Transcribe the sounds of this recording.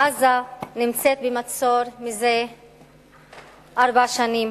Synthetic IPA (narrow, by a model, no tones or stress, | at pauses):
azanimt͡set̪̚bemat͡so̞ɾmize | aɾbaʃanim